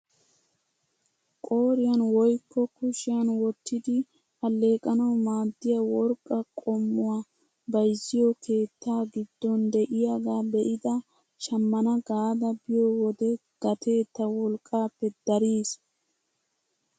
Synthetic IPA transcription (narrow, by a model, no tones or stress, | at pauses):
kʼo̞ːɾɪjɐnwɔjkːɔkʊʃɪjɐnwɔt̪ːɪd̪ɪ | ɐlːe̞ːkʼɐnɐwmaːd̪ːɪjɐwɔɾkʼːɐkʼɔmːʊwaː | bɐjzːɪjɔkʰe̞ːt̪ːaːɡɪd̪ːɔnd̪ɛʔɪjaɡaːbɛʔɪd̪ɐ | ʃɐmːɐnɐɡaːd̪ɐbɪjɔwɔd̪ɛɡ̥ɐt̪ʰe̞ːt̪ːɐwɔlkʼːaːpːɛd̪̥ɐɾiːs